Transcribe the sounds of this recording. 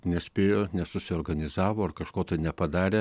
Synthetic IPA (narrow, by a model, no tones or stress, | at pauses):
nʲɛsʲpʲeːjoːnʲɛsʊsʲɪoːɾɡɐnʲɪzɑːʋoːɐrkɐʃkoːt̪ɐɪnʲɛpɐd̪ɑːɾʲeː